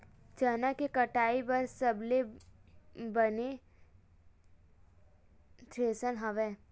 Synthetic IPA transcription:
t͡ʃənakekɐʈaːibɐɾsəble | bəne | t̪ʰɾeːsənɦɐʋɛː

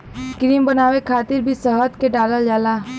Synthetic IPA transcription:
kɾiːmbənaːʋekʰaːt̪ɪɾbʱisəɦət̪keɖaːləld͡ʒaːlaː

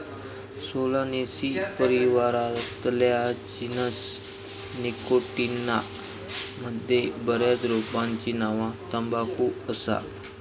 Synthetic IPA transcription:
solanesipəɾiʋaɾat̪ljad͡ʑinəs | nikoʈina | məd̪ʱːjebəɾjad̪ɾopaɲt͡ɕinaʋãt̪əmbakuəsa̰

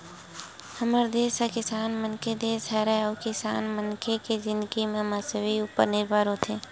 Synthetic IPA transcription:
həməɾd̪eːsakɪsaːnmənkʰed̪eːsɦɛɾɛɔːkɪsa̰ːnmənkʰeked͡ʒɪ̃nd̪əɡimẽmasəbiuːpə̰ɾnɪɾbʱaːɾɦoːt̪ʰeː

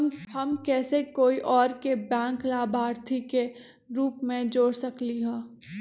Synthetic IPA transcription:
hɐmkɛːsekoːiʔɔːɾkebɛ̃ːŋklaːbʱaːɾt̪ʰike | ɾuːpmẽd͡ʒoːɽsəkliɦɛ̃ː

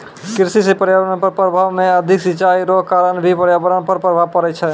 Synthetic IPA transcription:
kiɾsisepəɾjabəɾənpəɾpɾəbʱaʋmeəd̪ʱiksit͡ʃaiɾoɦkaɾənbʱipəɾjabəɾənpəɾpɾəbʱaʋpəɾɛt͡ʃʰɛ

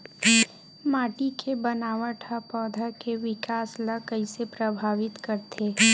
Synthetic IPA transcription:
maːʈikʰebɐnaːʋəʈʰapɔːd̪ʱakeʋɪkaːslakɐisepɾəbʱaːʋɪt̪kɐɾt̪ʰeː

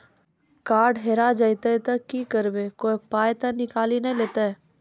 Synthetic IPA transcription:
kaːɾɖɦeːɾad͡ʒajt̪at̪ɐkikəɾbekoːipaːjt̪ɐnɪkaːlinɐleːt̪aɛ

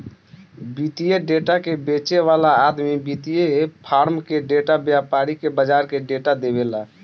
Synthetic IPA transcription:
bit̪ijeɖeʈakebet͡ʃeʋalaːd̪mibit̪ijepʰaɾmkeɖeʈabjapaɾikebəd͡ʒaɾkeɖeʈad̪ebela

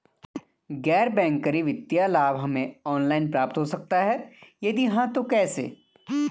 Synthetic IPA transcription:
ɡɛːɾbɛ̃ːŋkəɾiʋɪd̪jalaːbɦɐmẽɔːnlaːɪnpɾaːp̚t̪ɦosɐk̚t̪aɦɛjɐd̪iɦãt̪okɛːsḛː

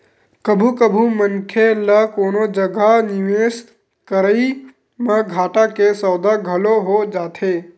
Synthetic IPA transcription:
kəbʱukəbʱumənkʰeləkoːnod͡ʒəɡʱanɪʋes | kəɾəi | mə̃ɡʱaːʈakesəwd̪aɡʱəloɦod͡ʒaːt̪ʰeː

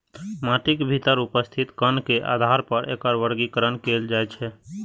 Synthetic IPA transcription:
maʈikbʱit̪əɾupəst̪ʰit̪kənkeʔa̰d̪ʱaɾpəɾʔḛkəɾʋəɾɡikəɾənkeld͡ʒaɛt͡ʃʰɛ

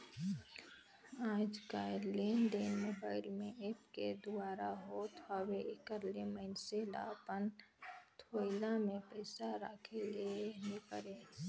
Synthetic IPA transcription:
aːd͡ʒkaɾlend̪enmobaːɪlmẽʔeːpked̪ʊaːɾaɦot̪ɦaweʔkəɾleməɪnsela̰ːpənt̪ʰoːɪlamẽpɛːsaɾaːkʰelenepəɾe

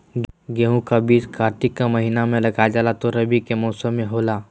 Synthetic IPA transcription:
ɡeːɦũkabiːskaːɾt̪ikːaməɦiːnamẽlɐɡad͡ʒaːlat̪oɾəbikemɔːsəmːẽɦoːlaː

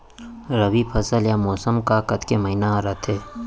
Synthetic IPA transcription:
ɾɐbipʰɐsəljamɔːsəmkakɐt̪keməinaɾat̪ʰeː

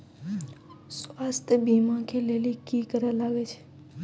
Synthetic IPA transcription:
sʋast̪ʰbimãkʰelelikikəɾʋalaɡet͡ʃʰe̥

